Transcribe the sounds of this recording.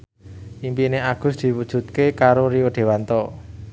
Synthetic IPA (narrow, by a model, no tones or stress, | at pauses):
ʔimpineʔaɡ̥ʊ̤sd̪̥i̤wud̥ʒ̥ṳt̪̚kekaɾoɾioɖ̪̥e̤want̪ɔ